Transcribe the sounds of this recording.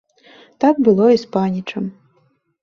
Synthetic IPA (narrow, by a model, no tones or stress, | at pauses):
t̪ak̚bɨlˠɔispanʲit͡ʂɐm